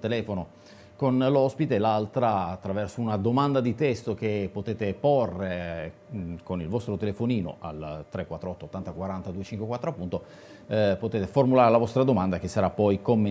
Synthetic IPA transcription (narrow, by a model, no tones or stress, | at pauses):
t̪elɛːfono | konlɔspit̪elalt̪ɾaːt̪ːɾavɛrsounad̪omand̪ad̪it̪ɛst̪ok̟epːot̪eːt̪eporːe | konilvɔst̪ɾot̪elefoniːno̰ʔa̰lt̪ɾekːwat̪ːɾoɔt̪ːoːt̪ːant̪akwaɾant̪ad̪uːet͡ʃiŋkwekwat̪ːɾoapːunt̪o | pot̪eːt̪eformulaːɾelavɔst̪ɾad̪omand̪ak̟esːaɾapːɔjkomːe